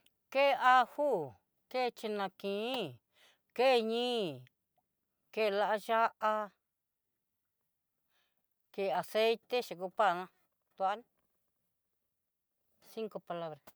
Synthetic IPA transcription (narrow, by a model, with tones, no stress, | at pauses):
ke˦˧a˦huː˦ | ke˦˨˧t͡ʃi˧nã˧kĩ˨˦ | ke˦˨˧ɲĩː˦ | ke˦˨la˦ʔa˦ʒa˦ʔa˦ | ke˧˨a˨se˦jt̪e˦ʃi˨ku˧pa˦˨nã˦ | t̪u˧a˦n | si˦ŋko˧pa˧la˦βɾa˨